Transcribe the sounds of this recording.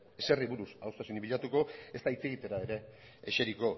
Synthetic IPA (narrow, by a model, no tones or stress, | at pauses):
e̞se̞riβuɾusa̰wst̪asuniβiʎat̪uko̞e̞st̪ait͡se̞ɣit̪e̞ɾaeɾe̞ | ḛʃe̞ɾiko̞